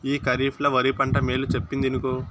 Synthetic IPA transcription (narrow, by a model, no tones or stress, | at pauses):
iːkɐɾiːpʰlɐʋɐɾipɐɳʈɐmeːlut͡ʃepːind̪inuku